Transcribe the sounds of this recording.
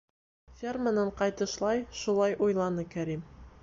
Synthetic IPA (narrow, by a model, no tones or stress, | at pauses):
fʲermənɤɴqɑjt̪ɤ̆ʃlˠɑjʃulˠɑjʔujlˠɑnɤkæɾim